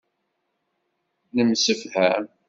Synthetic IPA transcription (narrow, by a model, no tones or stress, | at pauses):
nəmsəfhæ